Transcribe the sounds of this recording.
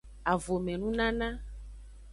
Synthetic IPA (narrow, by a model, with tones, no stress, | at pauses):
a˨vo˨mɛ̃˨nũ˦nã˦nã˦